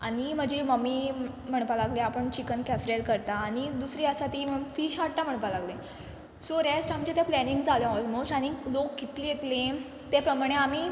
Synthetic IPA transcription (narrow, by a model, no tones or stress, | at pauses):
a̰ɽ̃im̤əd͡ʑeməmːiː | m̤əɽ̃palaɡleapəɳt͡ɕikənkæfɾelkəɾt̪aːɽ̃id̪usɾiːəsat̪iməfiːɕaɽt̪am̤əɳ̃palaɡlẽ | soɾesʈamt͡ɕet̪japlɛniŋɡd͡zʱalẽɔlmosʈaɽ̃ilokːit̪lijet̪lẽ | t̪epɾəmaɽ̃eam̤i